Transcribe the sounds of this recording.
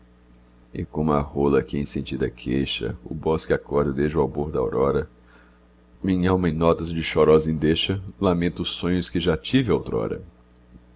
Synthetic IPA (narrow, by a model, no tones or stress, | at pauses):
ɪkõmʊɐholɐkɪẽsẽnt͡ʃid̪ɐkʰeʃɐ̰ʊ̰bɔskɪakɔɾdɪd̪ejʒd͡ʒɪʊawboɾd̪ɐawɾɔɾɐ | mĩɲawmẽj̃nɔt̪ɐzd͡ʒɪʃɔɾɔzẽd̪eʃɐlamẽnt̪ʊːsõɲʊskɪʒat͡ʃivɪawt̪ɾɔ̰ɾɐ̰